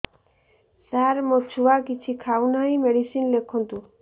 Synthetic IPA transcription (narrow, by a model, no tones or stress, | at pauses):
saɾmot͡ʃʰuwakit͡ɕʰikʰawnajmeɽisinlekʰːɔnt̪u